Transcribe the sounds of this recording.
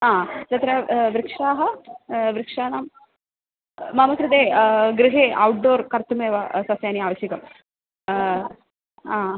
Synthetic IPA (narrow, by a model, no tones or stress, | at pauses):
aːd̪ɐt̪ɾɐʋɾikʂaːɦɐʋɾɪkʂaːnaːm | mɐmɐkɾut̪eːɡɾɪɦeːɐwʈ̚ɖoːɾkɐɾt̪umeːʋɐsɐsjaːniaːʋɐsjɐkɐm | aː